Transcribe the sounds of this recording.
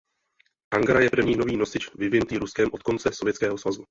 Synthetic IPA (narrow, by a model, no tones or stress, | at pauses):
ʔaŋɡɾajɛpr̩vɲiːnoviːno̞sɪt͡ʃvɪvɪnut̪iːɾuskɛmʔo̞t̪̚ko̞nt͡sɛso̞vjɛt͡skɛːɦo̞svazu